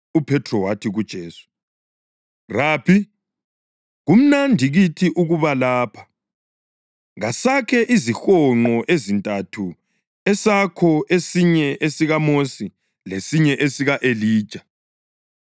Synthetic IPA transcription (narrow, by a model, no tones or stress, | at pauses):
upʰɛtʰrɔwatʰiɣud̥ʒ̥ʱeːsu̥ | raːpʰi | ɣum̩nandʱiɣitʰiʔuɣuβalaːpʰḁ | ŋasakʰɛʔizixɔŋ͡ǃɔʔezintʼatʰu | ɛsakʰɔʔesiɲɛʔesiɣamosi | lesiɲɛʔesiɣaʔeliːd̥ʒ̥ʼʱa